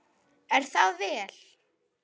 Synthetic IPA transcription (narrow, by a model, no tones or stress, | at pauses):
ɛɾ̥θaðvɛːl̥